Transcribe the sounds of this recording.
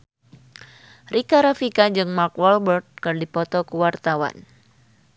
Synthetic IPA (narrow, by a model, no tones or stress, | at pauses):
rikaɾafikad͡ʒɨŋmarkwɔlbərd̪̚kɨrdipɔt̪ɔkəwart̪awa̰n